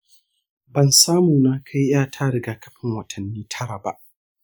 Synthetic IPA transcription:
bɐ˨nsaː˦muː˨naː˦kʰa˦jjaː˦˨tʰaː˦ɽɪ˨ɡaː˨kɐ̥˦ɸɪ˨ŋwɐ˨tʰɐ˨nːiː˦tʰɐ˦ɽa˨ba̰˨ʔ

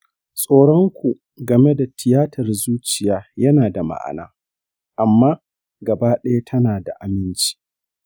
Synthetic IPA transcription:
sʼoː˦ɽɔ˦ŋkʷu˨ | ɡɐ˨me˦da˨tʰɪ˨jaː˦tʰɐ˨rzuː˦t͡ʃɪ˨jaː˨˦jɐ˦naː˨da˨ma̰˦ʔa̰˨na̰ː˦ | ʔa˨mːaː˦ | ɡɐ˨baː˦ɗɐ˦ja˦tʰɐ˦naː˨da˨ʔa˨mɪ˦nt͡ʃi̥ː˦

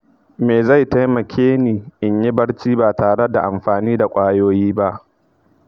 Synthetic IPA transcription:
meː˨za˦˨jta˦jmɐ˨kʲʰeː˦niː˨ʔɪ˨ɲji˦bɐ˦ɽt͡ʃiː˦baː˨taː˨ɽe˦da˨ʔa˨mɸaː˨niː˦da˨kʷʼaː˦joː˦jiː˦ba˦ʔ

